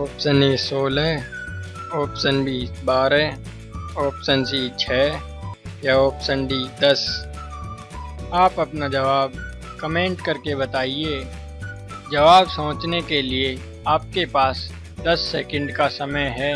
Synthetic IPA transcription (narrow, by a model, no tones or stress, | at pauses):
oːpsənisoːlɦɛː | oːpsənbisbaːɾɦɛː | ɔːpsənsit͡ʃʰɛː | jaɔːpsənɖid̪ɐs | aːpɐpnad͡ʒɐʋaːb | kɐmẽːɳʈkɐɾkebɐt̪aːieː | d͡ʒɐʋaːbsɐ̃ːt͡ʃnekelie | aːp̚kepaːs | d̪ɐsːeːkə̃ɳɖkasɐməjɦɛː